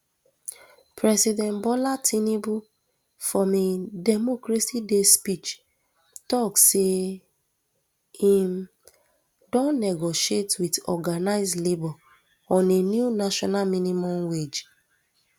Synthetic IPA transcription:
pʰɹɛsidɛ̃nbɔlatʰinibu | fɔmedɛmokɾesidespit͡ʃ | tɔkse | hĩm | dɔ̃nːɛɡoʃietwitɔ̰ɡanaɪzdlebɔ | ɔ̃nenjunaʃɔnamĩnimɔ̃mwed͡ʒ

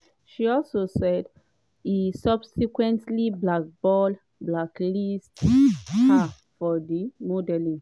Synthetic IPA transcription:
ʃiɔlsosɛd | isʌbsikwɛ̃ntliblak̚bɔl | blaklist | a | fɔdimodɛlĩ

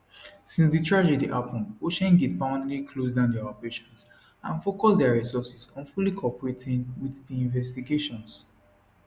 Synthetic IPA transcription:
sĩnsditʰɹad͡ʒɛdiʔapʰɔ̃noʃɛ̃nɡɛt̚bãʊ̃ndlikʰlos̬dãʊ̃ndɛaɔpɹeʃɔ̃ns | ã̰nfokɔsdɛaɹisɔsisɔ̃nfulikʰɔpɔɹetĩŋwiθdiĩɱvɛstiɡeʃɔ̃ns

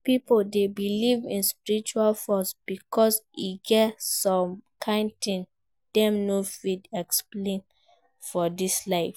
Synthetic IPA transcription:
pipoldebilivĩnspiɹit͡ʃualfɔsb̥ikʰɔsiɡɛtsɔ̃mkʰãntĩn | d̥ɛ̃mnofidɛksplẽn | fɔdislaɪf

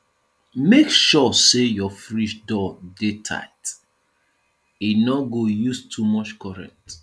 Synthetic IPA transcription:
mekʃɔsejɔfɹiʃdɔdetʰa̰ɪt | inɔɡojustʰumɔt͡ʃkɔɹɛ̰̃k̚t

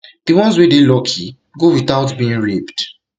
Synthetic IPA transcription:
d̥iwɔ̃nzwedelɔkʰi | ɡowitaʊtbĩĩnɹipt

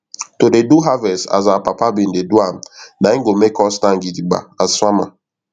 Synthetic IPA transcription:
todeduɦavɛsa̰zapapabin̩deduam̩naiŋ̩ɡomekɔstãŋ̩ɡidiɡ͡ba̰azswama

